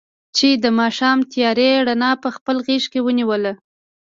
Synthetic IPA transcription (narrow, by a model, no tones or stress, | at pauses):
t͡ʃed̪əmɑʃɑmt̪jɑɾeɽanɑpəxpəlɣeʃkewəniwəla